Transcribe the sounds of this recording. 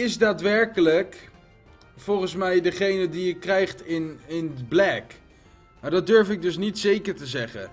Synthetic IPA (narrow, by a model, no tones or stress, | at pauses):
ɪsdaːtʋɛɹkələk | fɔlˠχənsmɛjdəχejnədijəkrɛjχtɪnɪnblɛk | madɑd̚døɹfɪɡ̚dɵsnitsejkəɹtəzɛχə̰